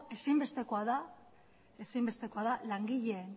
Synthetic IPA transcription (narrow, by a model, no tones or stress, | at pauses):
e̞simbe̞st̪e̞ko̞aða | e̞simbe̞st̪e̞ko̞aðalaŋɡiʎe̞ːn